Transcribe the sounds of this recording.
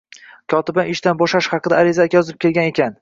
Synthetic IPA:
kʰɒt̪ɪbanɪʃt̪anbɒʃaʃχɑqɨd̪a̰ːɾɪzakʲjɒzɪp̚kʲʰe̞lˠɡʲane̞kʲʰan

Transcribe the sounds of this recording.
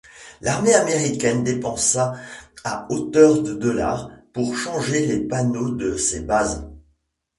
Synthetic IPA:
laʁmeameʁikʲɛnd̪epɑ̃saaot̪œʁd̪əd̪ɔla̰ːʁpuʁʃɑ̃ʒelepanod̪əsḛbaz

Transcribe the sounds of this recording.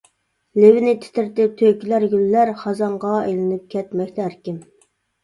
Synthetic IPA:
levɪnɪt̪ʰɪ̥t̪ʰɪɾt̪ɪt̪ʰøkʲlæɾɡʲylːæɾχɑzɑɴʁɑejlɪnɪp̚kʲʰɛt̪mɛkʲt̪ʰɛɦæɾkʲɪm

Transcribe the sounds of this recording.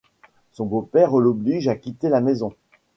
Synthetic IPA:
sɔ̃bopɛʁølɔbliʒakʲit̪elamɛzɔ̃

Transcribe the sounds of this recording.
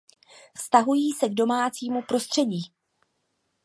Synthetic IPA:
fst̪aɦujiːsɛɡdo̞maːt͡siːmupɾo̞st̪r̝̥ɛɟiː

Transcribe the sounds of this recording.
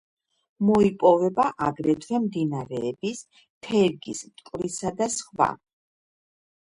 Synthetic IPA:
mɔipʼɔvɛbaʔaɡɾɛt̪ʰwɛmd̪inaɾɛːbis | t̪ʰɛɾɡismt̪ʼkʼɾisad̪asχva̰

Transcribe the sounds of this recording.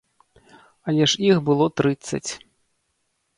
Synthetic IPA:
ɐlʲɛʂixbɨlˠɔt̪ɾɨt̪sːɐ̰t͡sʲ

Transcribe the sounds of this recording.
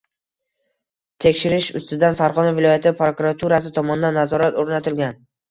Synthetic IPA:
t̪ʰe̞kʲʃɪɾɪʃʊ̰st̪ɪd̪anfaɾʁɒnavɪlɒjat̪ʰɪpɾokuɾat̪ʰuɾasɪt̪ʰɒmɒnɪd̪anːazɒɾat̪oɾnat̪ʰɪlɡʲan

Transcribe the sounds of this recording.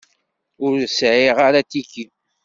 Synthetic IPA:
ʊɾsʕɪʁaɾat̪iki

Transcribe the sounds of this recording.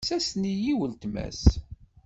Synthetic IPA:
sæsnijiwəlt̪mæ̰s

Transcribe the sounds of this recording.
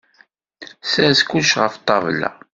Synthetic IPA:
sæskːuʃʁəft̪ˤːɑvlːæ̰

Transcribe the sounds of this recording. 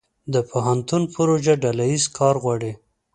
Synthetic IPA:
d̪əpʰoɦant̪unpʊɾoʒaɖalajizkʰɑɾɣwɑɽi

